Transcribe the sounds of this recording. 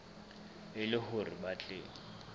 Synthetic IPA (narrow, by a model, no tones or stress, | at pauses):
ɪlɪhʊribat͡ɬʼeːŋi